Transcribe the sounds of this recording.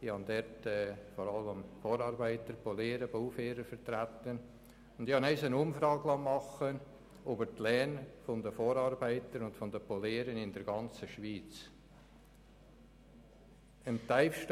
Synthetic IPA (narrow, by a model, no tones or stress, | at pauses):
ihɑndɛɾtɛːfɔɾɑlːəmfoːɾɑːɾbæɪtəɾpoleːɾəboʊfeːɾəɾfəɾt̪ɾæt̪ən | ʊnd̥̪ɪhɑnɛɪsənʊmfɾɑːɡlɑːmɑχən | obəɾtlɛːnfɔnd̪əfoːɾɑːɾbæɪtəɾʊntfɔndəpoleːɾənɪndɛɾɡɑnt͡səʃʋiːt͡s | əmt̪aɪfʃt